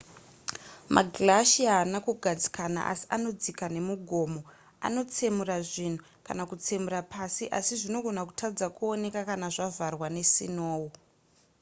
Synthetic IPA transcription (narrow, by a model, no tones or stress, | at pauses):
mʔa̰ɡʱlaʃiaːnakuɡʱad͡zi̥kʰana̰ʔa̰si̥ano̞d͡zikane̞muɡʱo̞ːmo̞ | a̰no̞t͡se̞muraʐin̤u | ka̰nakut͡se̞murapʰasiʔasiʐino̞ɡʱo̞naku̥tʰad͡zakuo̞ne̞kakanaʐavarwane̞sḭnoːwo